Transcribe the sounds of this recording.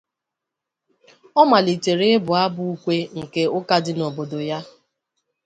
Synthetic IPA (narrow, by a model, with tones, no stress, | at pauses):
ɔ˦ma˨li˨t͡ʃe˨ɾe˦ɪ˦bʊ˨a˦bʊ˦u˦kʷe˦ŋ̩˨ke˦ʊ˦ka˦dɪ˦no˨bo˨do˨ja˦